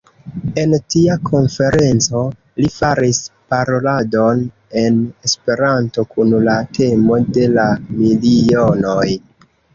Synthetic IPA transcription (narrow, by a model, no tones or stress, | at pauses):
e̞ntiakʰo̞nfe̞ɾe̞nt͡so̞ | lifaɾispaɾo̞lado̞n | e̞nespe̞ɾanto̞kunlatʰe̞mo̞de̞lamilio̞no̞j